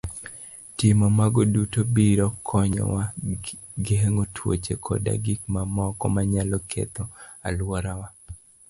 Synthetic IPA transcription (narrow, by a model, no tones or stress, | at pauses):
tɪmɔmaɡodutobiɾɔkʰɔɲɔ̰wa | ɡɪɦeŋotʰwo̰t͡ʃekʰɔ̰da̰ɡikmamɔkɔmaɲalɔkʰḛt̪ɔa̰lwɔɾawa